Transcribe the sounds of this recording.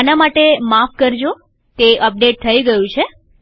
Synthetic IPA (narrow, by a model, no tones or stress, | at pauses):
anamaʈemafkəɾd͡ʒo | t̪eʔəp̚ɖeʈ̚t̪ʰəiɡəjũt͡ʃʰe